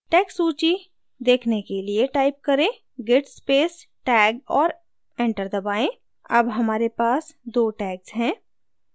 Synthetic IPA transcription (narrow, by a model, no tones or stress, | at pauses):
ʈɛːksuːt͡ʃi | d̪eːkʰnekelieʈaːɪp̚kɐɾẽ | ɡeʈspeːsʈɛːɡɔːɾ | ẽɳʈəɾd̪ɐbaːẽ | ɐbɦɐmaːɾepaːsd̪oːʈɛːksɦɛ̃ː